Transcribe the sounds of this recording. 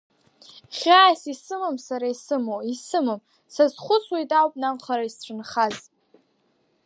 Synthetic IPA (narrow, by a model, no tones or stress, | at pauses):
χʲaːsisɨmɨmsaɾaisɨmoisɨmɨm | sazχʷʊt͡sʰwejtʼawpʼnamχaɾaisʈ͡ʂʰɨnχaz